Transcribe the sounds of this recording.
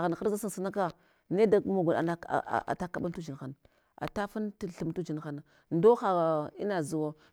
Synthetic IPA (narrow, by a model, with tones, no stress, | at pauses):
ɣa˨n˨xa˦ɾza˦sa˦n˨sə˦na˦ka˦ | ne˦da˨˦mu˨ɡu˨na̰˨na̰˦˨a̰˨ta˦ka˨ɓa˦ntu˦d͡ʒi˨nxa˨n | a̰˨ta˦fa˦ntɬu˨mtu˦d͡ʒi˨n˨xa˦na˨ | ndo˦xa˨ḭ˦na˨zu˨wa˦